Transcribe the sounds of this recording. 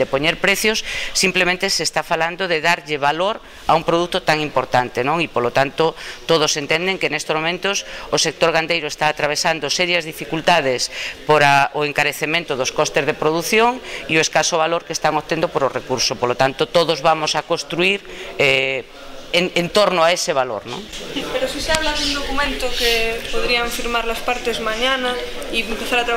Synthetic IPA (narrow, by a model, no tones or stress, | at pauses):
d̪epoɲeɾpɾeθjosːimplemẽnt̪esest̪afaland̪oðeðaɾʎɪβaloɾ | aumpɾoðut̪ot̪aŋimpoɾt̪ant̪enõŋipolot̪ant̪ot̪oðosent̪end̪eŋkenest̪ozmomẽnt̪ososek̚t̪oɾɣand̪ejɾoest̪aːt̪ɾaβ̞esand̪osɛɾjɐzðifikult̪að̞espoɾaʔoeŋkaɾeθemẽnt̪ʊðoskost̪ezðepɾoðuθjoŋioeskasoβ̞aloɾkest̪aŋot̪end̪opoɾorekuɾsopolot̪ant̪ot̪oðozβamosakost̪ɾuiɾɛ | ŋent̪oɾnoaeseβalo̰ɾnõ̰ŋpeɾosiseaβlaðund̪okumẽnt̪okepoðɾiaɱfiɾmaɾlaspaɾt̪ezmãɲana | iempeθaɾat̪ɾa